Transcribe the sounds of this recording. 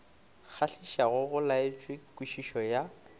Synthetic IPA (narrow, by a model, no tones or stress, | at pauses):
k͡xʰaɬiʃaɣʊɣʊlaɪt͡ʃʼwekʼwiʃiʃɔja